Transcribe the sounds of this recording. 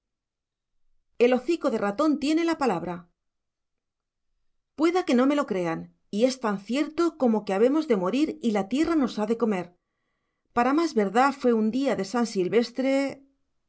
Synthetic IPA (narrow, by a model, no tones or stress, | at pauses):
e̞lo̞θiko̞ðe̞rat̪o̞nt̪je̞ne̞lapalaβ̞ɾa | pwe̞ðake̞no̞me̞lo̞kɾe̞an | ie̞st̪anθje̞ɾt̪o̞ko̞mo̞ke̞aβ̞e̞mo̞zðe̞mo̞ɾiɾilat̪je̞rano̞saðe̞ko̞me̞ɾ | paɾamazβe̞ɾðafwe̞und̪iaðe̞sansilβe̞st̪ɾe̞